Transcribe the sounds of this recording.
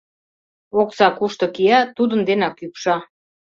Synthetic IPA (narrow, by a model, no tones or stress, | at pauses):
oksɑkuʃt̪ɤ̆kiɑt̪ud̪ənd̪enɑkypʃɑ